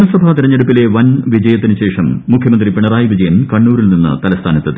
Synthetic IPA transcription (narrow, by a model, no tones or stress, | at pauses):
mɐsɐbʱat̪iɾɐɲːeɽupːile̞ʋɐnʋid͡ʑɐjɐt̪ːinɨɕe̞ːʂɐmːukʰjɐmɐnd̪ripiɳɐraːjiʋid͡ʑɐjɐnkɐɳːuːɾilninːɨ̰t̪ɐlɐst̪ʰaːnɐt̪ːɐt̪ː